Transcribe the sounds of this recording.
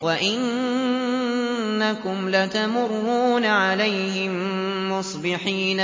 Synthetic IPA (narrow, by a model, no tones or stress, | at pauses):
waʔɪn | akʊmlat̪amʊrˤːuːnaʕalajhɪmmʊsˤbɪħiːn